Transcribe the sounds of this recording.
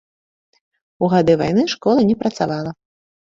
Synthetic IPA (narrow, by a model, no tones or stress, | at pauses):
uɣad̪ɨvajnɨʂkɔlˠɐnʲɛpɾɐt̪savalˠɐ